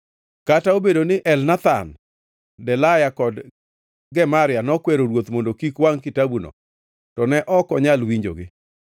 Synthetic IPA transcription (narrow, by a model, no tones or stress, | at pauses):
kataobedonɪʔɛlnat̪a̰n | dɛlajakɔd | ɡɛmaɾɪjanɔkwɛɾoɾwot̪mondokikwaŋkɪtabuno̰ | tɔnɛʔɔkɔɲalwiɲd͡ʒo̰ɡɪ